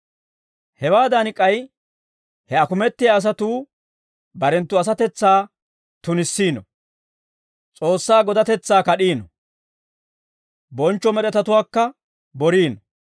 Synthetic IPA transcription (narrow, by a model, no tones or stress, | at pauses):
hɛwaːd̪ɐnɪkʼːɐj | hɛɐkʊmɛt̪ːɪjaːs̬ɐt̪uː | bɐɾɛnt̪ːʊɐs̬ɐt̪ɛt͡sːaː | t̪ʊnɪsːiːnɔ | t͡sʼo̞ːsːaːɡɔd̪ɐt̪ɛt͡sːaːkɐɗiːnɔ | bɔnt͡ʃːɔmɛɗɛt̪ɐt̪ʊwaːkːɐ | bɔɾiːnɔ